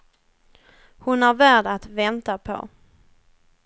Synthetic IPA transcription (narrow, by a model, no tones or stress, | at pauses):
hʊnæɾvæːɖat̪vɛnt̪apʰɔ̰